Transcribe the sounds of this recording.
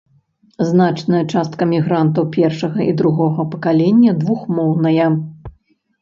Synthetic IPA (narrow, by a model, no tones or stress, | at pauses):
znat͡ʂnɐjɐt͡ʂast̪̚kɐmʲiɣɾant̪ɐwpʲɛrʂɐɣɐʔid̪ɾuɣɔɣɐpɐkalʲɛnʲːɐd̪vuxmɔwnɐjɐ